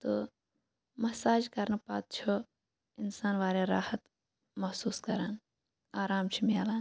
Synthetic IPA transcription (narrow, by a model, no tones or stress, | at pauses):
t̪o | mɐsaːd͡ʒkɐɾnpa̰ːd̪̚t͡ʃʰo | ɪnsaːnʋaːɾeɾa̰ːhɐt̪ | mɐhsuːskɐɾaːn | aːɾaːmt͡ʃʰimiaːlaːn